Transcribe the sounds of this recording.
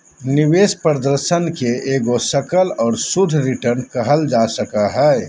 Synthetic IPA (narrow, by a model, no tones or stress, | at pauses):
nɪʋeːspɾəd̪əɾʃənkeeːɡosəkəlɔːɾsʊd̪ʱɾɪʈəɾnkɐɦəld͡ʒaːsəkaɦɛː